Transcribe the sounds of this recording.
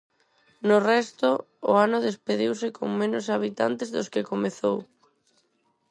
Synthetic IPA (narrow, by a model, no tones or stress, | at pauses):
nʊrɛst̪ʊ̰ː | anʊðespeð̞iwsɪko̰ŋmẽnʊsaβ̞it̪a̰nt̪ezðʊskɪkomeθow